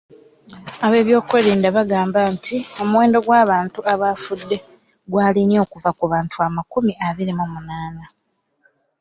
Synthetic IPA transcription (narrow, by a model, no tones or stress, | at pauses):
aβe̞ːβjo̞ːkweɾiːndaβaɡaːmbantʰio̞muwe̞ːndo̞ɡwaːβaːntuaβafudːe̞ | ɡwaːlinio̞ːkuvakuβaːntuamakumiʔaβiɾimomunaːna